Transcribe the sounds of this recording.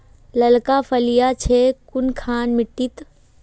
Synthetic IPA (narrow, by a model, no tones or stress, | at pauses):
lɐlkapʰɐlijat͡ʃʰekʊnkʰaːnmɪʈːit̪